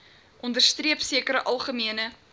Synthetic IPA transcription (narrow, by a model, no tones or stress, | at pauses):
ʔɔndərstriəpsiəkəɾəʔɐlˠχəmiənə